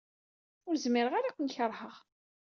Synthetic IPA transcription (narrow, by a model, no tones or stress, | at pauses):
ʊɾzmɪɾəʁaɾakʷənçəɾˤhəʁ